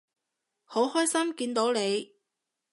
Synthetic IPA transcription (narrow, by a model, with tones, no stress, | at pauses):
ho˨˥whɔː˥jsɐ˥mkiː˧nt̪o˨˧˥wne˨˧j